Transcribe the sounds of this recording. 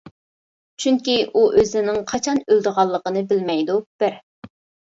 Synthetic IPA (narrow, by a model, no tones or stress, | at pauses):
t͡ʃʰyŋkʲiʔuʔøzɪnɪŋqʰɑt͡ʃʰɑnøld̪ɨʁɑlˠːəqənɨbɪlmɛjd̪ub̥ɪɾ